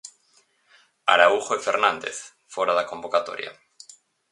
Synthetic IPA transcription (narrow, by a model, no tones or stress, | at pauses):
a̰ɾauxoefeɾnãnd̪ḛθ | foɾaðakombokat̪o̰ɾja̰